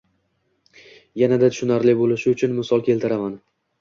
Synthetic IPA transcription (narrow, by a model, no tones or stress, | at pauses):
janad̪at̪ʰʊ̥ʃʊnaɾlɪbolɪʃɪʊt͡ʃʰʊnmɪsɒlˠkʲʰe̞lt̪ʰɪɾaman